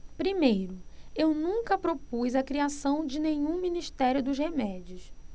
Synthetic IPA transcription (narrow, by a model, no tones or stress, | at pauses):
pɾimejɾʊewnũkɐpɾopujzɐkɾiasɐ̃w̃d͡ʒɪnẽɲũmĩniʃt̪ɛɾjʊd̪ʊzhemɛd͡ʒiʊs